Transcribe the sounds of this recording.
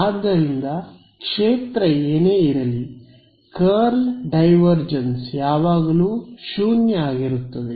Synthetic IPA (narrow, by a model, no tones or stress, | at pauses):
aːd̪ʱːɐɾind̪ɐ | kʂeːt̪ɾɐeːneːiɾɐli | kɐɾlɖɐjʋɐɾd͡ʒɐnsjaːʋaːɡɐluːʃuːnjɐaːɡiɾut̪ːɐd̪e